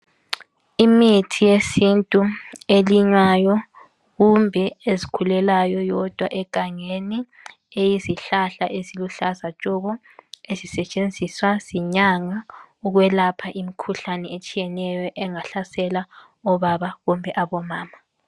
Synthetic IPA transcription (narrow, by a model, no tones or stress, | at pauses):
imitʰijesintʼueliɲwajɔ | ɣumbʱɛezikʰulɛlajɔjɔd̥ʱwaʔɛkʼaŋeni | ejiziɬaɬaʔeziluɬazat͡ʃʼɔɣɔ | ezisɛt͡ʃʼend͡zʱiswaz̥iɲaŋauɣwɛlapʰaʔimikʰuɬanɛet͡ʃʼijɛnɛjɔʔɛŋaɬasɛla | ɔβaβaɣumbʱɛʔaβɔmaːma